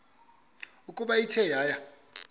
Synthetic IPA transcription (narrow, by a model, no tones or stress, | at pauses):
ukʼuɓaitʰɛjaːja